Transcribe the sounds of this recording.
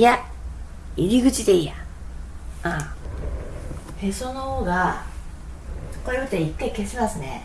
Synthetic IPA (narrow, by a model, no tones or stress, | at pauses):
ja | iɾʲiɡɯ̟t͡ɕid̪eija | a | hesonohoːɡa | t̪o̥kajot̪eikːaikesimasɨne̞